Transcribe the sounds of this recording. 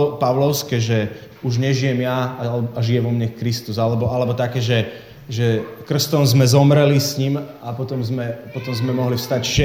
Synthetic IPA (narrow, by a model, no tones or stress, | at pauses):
paʊlɔʊskɛːʒɛ | uʒɲɛʒijɛmjaaʒijɛʋɔmɲɛkɾist̪uzalɛbɔalɛbɔt̪akɛːʒɛ | ʒɛkr̩st̪ɔmzmɛzɔmɾɛlisɲimapɔt̪ɔmzmɛpɔt̪ɔmzmɛmɔɦliʊst̪acʃɛ